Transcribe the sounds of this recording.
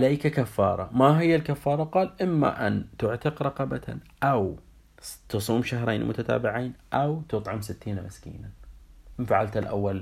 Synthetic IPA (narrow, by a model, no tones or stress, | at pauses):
alajkakafːɑ̰ːɾˤɑmaɦɪjːalkafːɑːɾˤɑqɑːlʔɪmːa̰ʔant̪ʊʕt̪ɪqɾˤɑqɑbat̪ʰa̰ʔaw | t̪ɨsˤuːmʃaɦɾˤeːnmʊ̰t̪at̪a̰ːbɪʕiːnʔawt̪ɨt̪ˤʕɪmsɪt̪ːiːnamɪskḭːnaɪfaʕa̰lt̪alʔa̰wːal